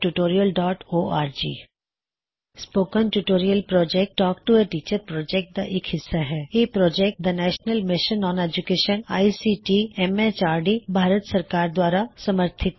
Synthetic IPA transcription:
ʈuʈoːɾijəlɖɔːʈoːʔaːɾd͡ʒḭː | spoːkənʈuʈoːɾijəlpɾɔːd͡ʒɛk̚ʈʈːɔːk̚ʈueʈiːt͡ʃəɾpɾɔːd͡ʒɛk̚ʈ̚d̪aʔɪkɦɪsːaɦɛːjeːpɾɔːd͡ʒɛk̚ʈ̚d̪ɐnɛːʃnəlmɪʃənɔ̃ːneːd͡ʒʊkeːʃəna̰ːisiːʈiɛmet͡ʃaːɾɖibʱaːɾət̪sɐɾkaːɾd̪waːɾasɐməɾt̪ʰɪt̪̚

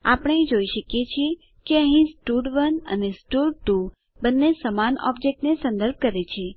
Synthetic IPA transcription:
a̰pəɽ̃ẽd͡ʒoiʃəkjet͡ʃʰie | keəɦĩsʈuɖʋənə̰nesʈuɖʈu | bənːesəmanɔ̰bd͡ʒek̚ʈnesə̃nd̪əɾb̚ʱkəɾet͡ʃʰe

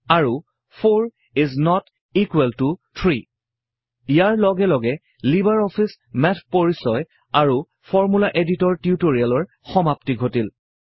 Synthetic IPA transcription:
aɹu | pʰoɹ | iznɔt | ikwɛltutʰɹi | ijaɹlɔɡɛlɔɡɛ | libaɹɔpʰis | mɛtʰpoɹisɔj | aɹu | fʰɔɹmulaʔeditɔɹtiutoɹialɔɹ | xɔmaptiɡʱotil

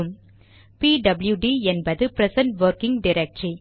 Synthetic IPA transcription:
ɯm | piːɖɐbɪljuɖiɛnbɐðɯpɾɛsɐɳʈʋɐɾkɪŋɡɖɪɾɛk̚ʈɾi

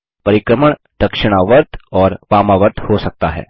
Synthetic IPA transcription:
pɐɾɪkɾəməɳ̃ | d̪̥ɐkʃɪɽ̃aʋəɾt̪ɔːɾʋaːmaʋəɾt̪hosɐk̚t̪aɦɛ̰ː

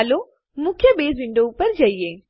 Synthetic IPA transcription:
lo | mũːkʰjəɓeːzʋɪ̃ːɳɖoupəɾd͡ʑɐieː

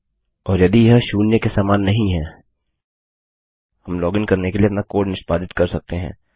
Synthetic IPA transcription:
ɔːɾjɐd̪ijɐɦʃuːnjəkesaːmaːnːɐɦĩɦɛː | hɐmlɔːɡɪ̃nkɐɾnekelieɐpnakoːɖnɪʃpaːd̪ɪt̪kɐɾsɐk̚t̪eɦɛ̰̃ː

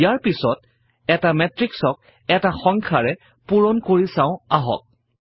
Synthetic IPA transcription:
jaɹpisɔt̚ | ɛtamɛtɹiksɔk̚ | ɛtaxɔŋkʰaɹɛ | puɹɔnkoɹisãʊ̃aɦɔ̰k̚

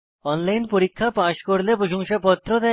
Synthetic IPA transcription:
ɔnlajnpoɾikʰːapaʃkoɾlepɾoʃoŋʃapɔt̪ːɾod̪ɛ

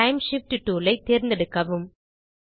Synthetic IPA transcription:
ɐɪmʂɪfʈʈuːlɐɪt̪ːeːɾnd̪ɐɽɯkːɐʋɯm

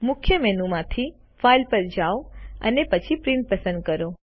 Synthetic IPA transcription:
mʊkʰjəmɛnumãt̪ʰi | failpəɾd͡ʒaoə̰nepət͡ʃʰipɾɪ̃ɳʈ̚pəsə̃nd̪̚kəɾo

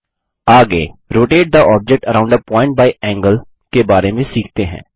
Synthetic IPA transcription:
aːɡeːɾoːʈeːɖ̚d̪aʔɔːb̚d͡ʒɛk̚ʈəɾãʊ̃ɳɖəpɔ̃ːɪ̃ɳʈ̚baːiʔɛ̃ːŋɡəl | kebaːɾemẽsiːkʰt̪eɦɛ̰̃ː

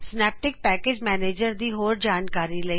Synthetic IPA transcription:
snɛːp̚ʈɪk̚pɛːkeːd͡ʒmɛːneːd͡ʒəɾd̪iɦoːɾd͡ʒaːnkaːɾilɐi

